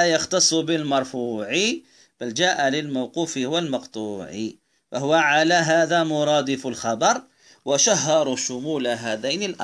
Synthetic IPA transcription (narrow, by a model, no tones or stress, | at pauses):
ajɑxt̪ɑsˤːbɪlmɑɾˤfuːʕi | b̥ald͡ʒaːʔalɪlmawquːfɪwɪlmɑqt̪ˤuːʕḭ | faɦʊwaʕalaɦaːðamʊɾˤɑːd̪ɪfʊlxɑbɑɾˤ | waʃaɦːɑɾˤuʃʊmuːlaɦaːd̪ajnɪlʔɑ